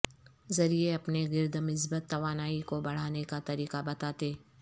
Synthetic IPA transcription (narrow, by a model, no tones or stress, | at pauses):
zɐɾieɐpneɡɪɾd̪mɪsbət̪ːɐʋaːnaːikobɐɽ̤aːnekat̪ɐɾiːqabɐt̪aːt̪eː